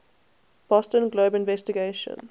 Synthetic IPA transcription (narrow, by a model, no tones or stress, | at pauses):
b̥ɔstə̃nɡloːbɪ̃nvɛstiɡeʃə̰̃n